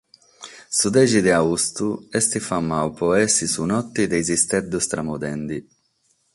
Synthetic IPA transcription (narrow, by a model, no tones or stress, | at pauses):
sud̪ɛːd͡ʒid̪ɛaust̪uɛst̪ifamːawpɔɛsisunɔt̪ːid̪ɛjzist̪ɛd̪ːust̪ɾamud̪ɛnd̪i